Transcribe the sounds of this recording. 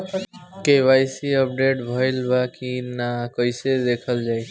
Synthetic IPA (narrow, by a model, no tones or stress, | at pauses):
kebajsiəp̚ɖeʈbʱəjlbakinakəɪsed̪ekʰəld͡ʒaj